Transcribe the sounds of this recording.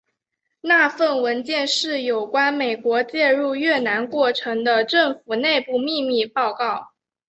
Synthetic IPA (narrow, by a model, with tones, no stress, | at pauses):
na˥˧fə˥˩nwə˧˥nt͡ɕjɛ˥˧nʂɻ̩˥˩jo˨˩ʊkwa˥nme˨˩ɪkwɔ˧˥t͡ɕjɛ˥˧ɻu˥˧ɥɛ˥˩na˧˥nkwɔ˥˩ʈ͡ʂʰɤ˧˥ŋd̪ə˧ʈ͡ʂɤ˥˩ŋfu˨˩ne˥˧ɪpu˥˧mi˥˧mi˥˧pɑ˥˧ʊkɑ˥˩ʊ